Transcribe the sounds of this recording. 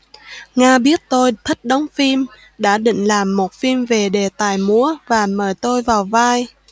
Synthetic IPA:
ŋaː˧ɓi˦˥ət̚t̪o˧jt̪ʰə˦˥t̚ɗə˨˦wŋ͡mfi˧m | ɗa̰ː˧˥ɗḭ˧˨ŋ̟laː˨˩mːo˨˩t̚fi˧mve˨˩ɗe˨˩t̪aː˨˩jmu˨˧˥əvaː˨˩məː˧˩jt̪o˧jvaː˨˩wvaː˧j

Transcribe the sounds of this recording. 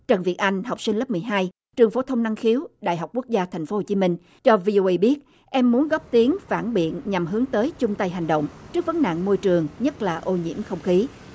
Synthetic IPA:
t͡ɕə˨˩nvḭ˨˩ət̚ʔa˧jŋ̟ɦa˨˩wk͡p̚si̟˧lə˦˥p̚mɨ˨˩əjɦaː˧j | t͡ɕɨ˨˩əŋfo˧˨˦t̪ʰə˧wŋ͡mna˧ŋxi˨˦əwɗa̰ː˧˨jɦa˨˩wk͡pku˦˥ək̚zaː˧t̪ʰɛ˨˩ŋ̟fo˨˦ho˨˩t͡ɕi˨˦mï˧ŋ̟ | t͡ɕɔ˧vi˧ʔo˧ʔe˧ɓi˦˥ət̚ | ʔɛ˧mːu˨˦ənɣɔ˦˥p̚t̪i˨˦əŋfaː˧˩nɓḭ˧˨ənɲa˨˩mɦɨ˨˦əŋt̪əː˨˦jt͡ɕʊ˧ŋ͡mt̪a˧jɦa˨˩jŋ̟ɗo̰˧˨wŋ͡mt͡ɕɨ˦˥k̚və˨˦nna̰ː˧˨ŋmo˧jt͡ɕɨ˨˩əŋɲə˦˥t̚laː˨˩ʔo˧ɲḭ˧˥əmxə˧wŋ͡mxi˨˦

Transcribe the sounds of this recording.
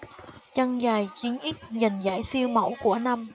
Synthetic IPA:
t͡ɕa˧ŋzaː˨˩jt͡ɕi˨˦ənʔi˦˥t̚za˨˩jŋ̟zaː˧˩jsi˧əwmə̰˧˥wku˧˩əna˧m

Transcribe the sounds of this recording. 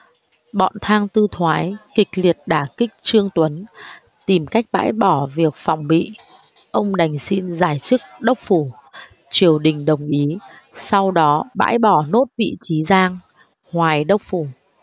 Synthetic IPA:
ɓɔ̰˧˨nt̪ʰaː˧ŋt̪ɨ˧t̪ʰwaː˨˦jkï˨˩k̟̚li˨˩ət̚ɗaː˧˩kï˦˥k̟̚t͡ɕɨ˧əŋt̪wə˨˦n | t̪i˨˩mka˦˥jk̟̚ɓa̰ː˧˥jɓɔ˧˩vi˨˩ək̚fa˨˩wŋ͡mɓḭ˧˨ | ʔə˧wŋ͡mɗa˨˩jŋ̟si˧nzaː˧˩jt͡ɕɨ˦˥k̚ɗə˦˥wk͡p̚fu˧˩ | t͡ɕi˨˩əwɗï˨˩ŋ̟ɗə˨˩wŋ͡mʔi˨˦ | sa˧wɗɔ˨˦ɓa̰ː˧˥jɓɔ˧˩no˦˥t̚vḭ˧˨t͡ɕi˨˦zaː˧ŋ | hwaː˨˩jɗə˦˥wk͡p̚fu˧˩

